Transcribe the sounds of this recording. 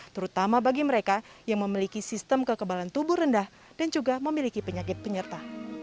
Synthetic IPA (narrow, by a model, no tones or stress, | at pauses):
t̪əɾut̪amabaɡiməɾekajaŋməmilikisist̪əmkəkəbalant̪ubʊhrəndah | d̥and͡ʒuɡaməmilikipəɲakɪt̪̚pəɲərt̪a